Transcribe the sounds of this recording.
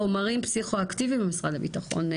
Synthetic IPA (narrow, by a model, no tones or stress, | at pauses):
omaʁimpsiχoaktivimbemisʁadabitaχo̞̰n